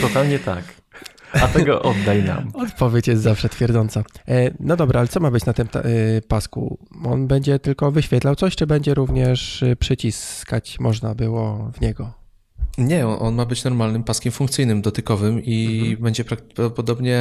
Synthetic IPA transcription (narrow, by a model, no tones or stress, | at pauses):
t̪ɔt̪alɲɛt̪a̰k | at̪ɛɡɔ̰ʔɔd̪ːajna̰mɔt̪pɔvʲjet͡ɕjɛst̪zafʂɛt̪fʲjɛɾd̪zɔnt̪sanɔd̪ɔbɾaalɛt̪sɔmabɘt͡ɕnat̪ɘmpaskṵ | ɔnbɛɲd͡ʑɛt̪ɘlkɔvɘɕfʲɛt̪lawt̪sɔɕt͡ʂɘbɛɲd͡ʑɛɾuvɲɛʂpʂɘt͡ɕiskat͡ɕmɔʐnabɘwɔvɲɛɡɔ | ɲɛɔʔɔnmabɘt͡ɕnɔɾmalnɘmpaskʲɛmfuŋkt̪sɘjnɘmd̪ɔt̪ɘkɔvɘmibɛɲd͡ʑɛpɾakpɾapɔd̪ɔbɲɛ